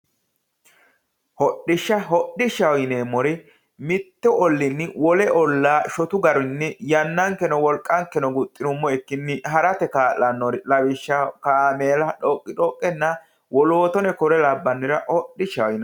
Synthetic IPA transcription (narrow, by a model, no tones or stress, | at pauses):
hɔɗːɪʃːɐɦɔɗːɪʃɐwjɪneːmːɔɾɪ | mɪt̪ːɛʔɔlːɪnːɪwɔlɛʔɔlːaːʃɔt̪ʊɡɐɾʊnːɪjɐnːɐŋkɛnɔwɔlkʼːɐŋkːɛnɔɡʊt̪ʼːɪnʊmːɔɛkːɪnːɪɦɐɾɐt̪ɛkaːlɐnːɔɾɪlɐβɪʃːɐkaːmeːlɐᶑɔkʼːɪᶑɔkʼːɛnːɐ | wɔloːt̪ɔnɛkɔɾɛlɐbːɐnːɪɾɐhɔɗːɪʃɐwɪnɐ